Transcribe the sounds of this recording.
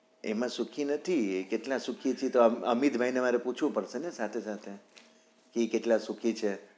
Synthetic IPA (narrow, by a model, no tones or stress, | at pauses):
ḛmãsukʰinət̪ʰiekeʈlãsukʰit͡ʃʰit̪oəmid̪bʱainemaɾeput͡ʃʰʋũpəɽʃenesat̪ʰesat̪ʰe | keːkeʈlãsukʰit͡ʃʰe